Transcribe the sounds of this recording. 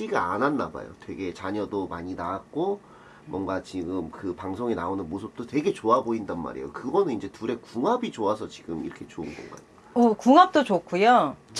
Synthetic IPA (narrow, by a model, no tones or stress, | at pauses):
t͡ɕ͈iɡaa̰nanːa̰ba̰jo̰twe̞ɡe̞t͡ɕaɲʌdomaɲinaak̚k͈o | mwʌnɡat͡ɕiɡɯmkɯpaŋsʰoŋina̰onɯnmosʰɯp̚t͈otwe̞ɡe̞t͡ɕoaboindanma̰ɾḛjo̰kɯɡʌnɯnind͡ʑe̞tuɾe̞kuŋɦabit͡ɕoasʰʌt͡ɕiɡɯmḭɾʌkʰet͡ɕoɯnɡʌ̰ŋɡa̰jo | ʌkuŋap̚t͈ot͡ɕok͈ʰujot͡ɕ